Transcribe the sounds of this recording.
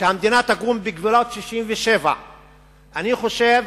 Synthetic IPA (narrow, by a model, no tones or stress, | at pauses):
ʃeamd̪inat̪aɡumbiɡvulot̪ʃiʃimveʃe̞va̰ | aniχo̞ʃe̞v